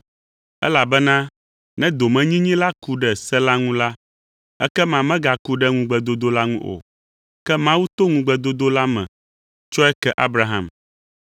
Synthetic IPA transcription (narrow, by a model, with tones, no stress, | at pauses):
ɛ̰˦la˨bɛ˦nã˦ | nɛ̃˦d̪o˨mɛ̃˨ɲĩ˦ɲĩ˦la˦ku˦ɖɛ˨sɛ˦la˦ŋũ˦la˦ | ɛ̰˦kɛ˦mã˨mɛ̃˦ɡa˨ku˦ɖɛ˦ŋũ˦ɡ͡bɛ˨d̪o˦d̪o˦la˦ŋũ˦ʔo̰˨ | kɛ˦mã˦wu˦t̪o˦ŋũ˦ɡ͡bɛ˨d̪o˦d̪o˦la˦mɛ̰̃˨ | t͡ʃɔ˦ɛ˦kɛ˦ʔa˦bɾa˦ɦã̰˨m